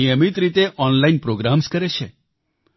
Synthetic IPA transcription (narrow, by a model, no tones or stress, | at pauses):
ijəmit̪ɾit̪eʔɔnlainpɾoɡɾamskəɾet͡ʃʰe